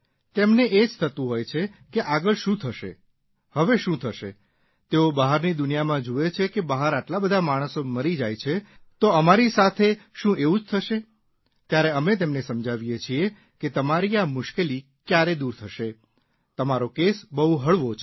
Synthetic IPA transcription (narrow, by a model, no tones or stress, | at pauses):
t̪emneʔed͡ʒt̪ʰət̪ũɦojt͡ʃʰekeʔaɡəɭʃũt̪ʰəʃḛ | həʋeʃũt̪ʰəʃḛ | t̪eobəɦaɾnid̪ʊnijamãd͡ʒuet͡ʃʰekebəɦaɾaʈlabəd̪ʱamaɽ̃əsoməɾid͡ʒajt͡ʃʰet̪oəmaɾisat̪ʰeʃũeũd͡ʒt̪ʰəʃe | t̪jaɾeəmet̪̬emnesəmd͡ʒaʋijet͡ʃʰie | ket̪əmaɾiamʊʃkeli | kjaɾed̪uɾt̪ʰəʃe | t̪əmaɾokesbəɦuɦəɭʋot͡ʃʰ